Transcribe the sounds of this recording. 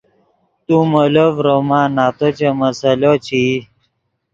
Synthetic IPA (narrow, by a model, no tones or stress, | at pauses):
t̪umolovɾomãːnaːt̪ot͡ɕeməsəlot͡ɕʰi